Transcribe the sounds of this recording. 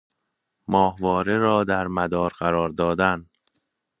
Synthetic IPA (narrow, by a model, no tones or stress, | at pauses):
mɒːhvɒːɾeɾɒːd̪æɾmæd̪ɒːɾɢæɾɒːɾd̪ɒːd̪æn